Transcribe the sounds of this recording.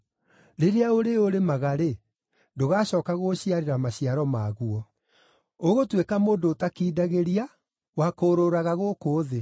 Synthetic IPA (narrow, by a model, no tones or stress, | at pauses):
ɾeɾeaoɾeoɾemaɣaɾe | doɣaːɕɔːkaɣoɕiaɾeɾamaɕiaɾɔmaːɣuɔ | oɣotwekamoːndoːtakiːdaɣeɾia | wakoːɾoɾaɣaɣokoːðe